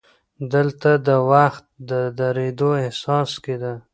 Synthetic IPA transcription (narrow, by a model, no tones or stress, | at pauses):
d̪əlt̪ad̪əwaxt̪̚d̪əd̪aɾed̪oehsɑsked̪a